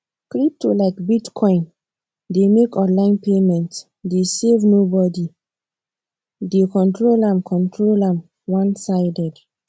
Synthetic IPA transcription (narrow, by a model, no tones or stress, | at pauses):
kɾip̚tʰolaɪkbitkʰɔ̃ĩn | demekɔ̃nlãɪ̃npemɛ̃nt | desevnobɔdi | dekɔ̃ntɹolãmkʰɔ̃ntʰɹolãm | wãnsaɪdɛd